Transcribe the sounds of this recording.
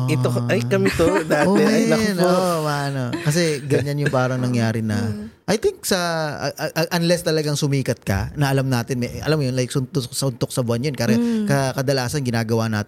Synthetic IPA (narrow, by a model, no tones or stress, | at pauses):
ɪt̪oʔɐjkɐmɛt̪od̪aːtoɛɐnoʔomaɐnokɐs̬ɛɡɐɲanjʊŋpaːɾɐŋnɐŋjaːɾɪnɐʔɐjt̪ɪŋk̚sɐ̰ʔʔʔɐnlɛst̪ɐlɐɡaŋsʊmiːkɐt̪̚kɐ̰nɐʔɐlamnaːt̪ɪnmɛɐ̰lamojonlajk̚sʊnt̪osɐʊnt̪ok̚sɐbʊanjonkaːɾɐkɐkɐd̪ɐlaːsɐnɡɪnaːɡɐwaʔnaːt̪ɪ